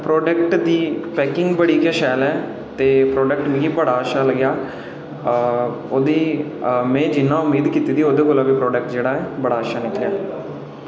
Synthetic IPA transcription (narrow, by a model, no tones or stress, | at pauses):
pɾoːɖəkʈd̪iːpɛːkɪ̃ŋɡbəɽiːkaːʃɛːlɛː | t̪eːpɾoːɖək̚ʈmĩːɡiːbəɽaːəʃaːləɡjaː | oːd̪iːmɛ̃ːd͡ʒɪnːãːʊmːiːd̪kiːt̪iːd̪iːoːd̪eːkoːlaːbiːpɾɔːɖəkʈd͡ʒeːɽaːɛːbəɽaːəʃaːnɪkʰlejaː